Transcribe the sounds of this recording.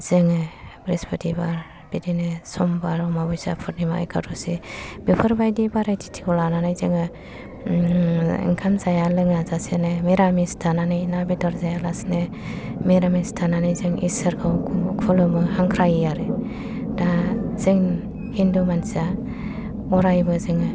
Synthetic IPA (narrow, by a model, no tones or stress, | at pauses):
z̥ɯŋɯbɾispʰɯtʰibaɾ | b̥idinɯsɔmbaɾɔmabɔjsa̰pʰɯɾnimaa̰jkʰatusib̥ipʰɯɾbajdibaɾajtʰi̥tʰi̥kʰɔlananajzɯŋɯ | ḭŋkʰamzajalɯŋazasenemiɾamistʰananɯjnabidɔɾzajalasne | miɾamistʰananɯjzɯŋḭsɯɾkʰawkʰulɯmɯhaŋkʰɾajijaɾɯ | dazɯŋ | hindumansa | ɔɾajbɯzɯŋɯ